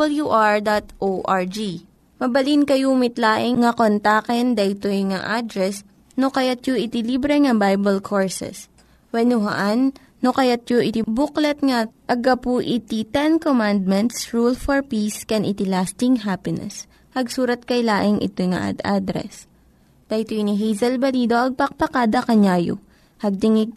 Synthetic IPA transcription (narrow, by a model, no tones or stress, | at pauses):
ljuʔaɹd̪at̪ʔoʔaɹd͡ʒi | mɐbɐlinkɐjumɪt̪laːʔɪŋŋɐkont̪aːkɛnd̪ɐʔɪt̪ojŋaʔad̪ɾɛs | nokɐjat̪̚joʔɪt̪ɪlibɾɛŋɐbajbɛlkʰoɹsɛ̰s | wɛnʊɦɐ̰ʔanː | okɐjat̪̚joʔɪt̪ibuklɛt̪̚ŋɐʔɐɡɐpuʔɪt̪it̪ɛnkomand̪̚mɛnt̪sɹulfɔɹpiskɛnʔɪt̪ɪlast̪ɪŋɦapɪnɛ̰s | hɐɡsuːɾɐt̪̚kɐjlaːʔɪŋʔɪ̰t̪ojŋɐ̰ʔa̰d̪ad̪ɾɛ̰s | d̪̥ɐʔjt̪ojniɦɛjzɐlbɐliːd̪o̞ʔɐɡ̚pɐk̚pɐkaːd̪ɐkɐɲaːjo̰ | hɐɡ̚t̪ɪŋɪɡ̚